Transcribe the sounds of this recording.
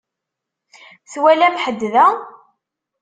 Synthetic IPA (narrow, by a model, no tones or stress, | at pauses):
θwælæfħəd̪ːðæ